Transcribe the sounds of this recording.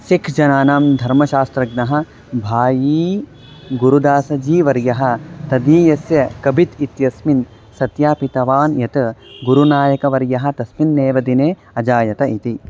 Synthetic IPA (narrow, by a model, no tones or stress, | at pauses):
sikʰd͡ʒɐnaːnaːmd̪ʱɐɾmɐʃaːst̪ɾɐɡnɐɦɐ̆ | bʱaːjiː | ɡuɾud̪aːsɐd͡ʒiːʋɐɾjɐɦɐ̆t̪ɐd̪iːjɐsjɐkɐbʱit̪it̪jɐsmin | sɐt̪jaːpit̪ɐʋaːnjɐt̪ɐɡuɾunaːjɐkɐʋɐɾjɐɦɐ̆t̪ɐsminːeːʋɐd̪ineː | ɐd͡ʒaːjɐt̪ɐit̪i